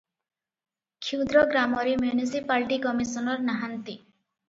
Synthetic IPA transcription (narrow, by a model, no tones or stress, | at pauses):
kʰiwd̪ɾɔɡɾamɔɾemjunisipalʈikɔmisɔnɔɾnaɦant̪i